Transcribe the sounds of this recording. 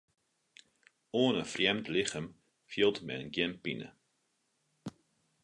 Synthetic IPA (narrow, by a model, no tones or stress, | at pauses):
oːnəfrjɛmtlɪχəm | fjilˠtmɛ̰ənɡjɛnpinə̰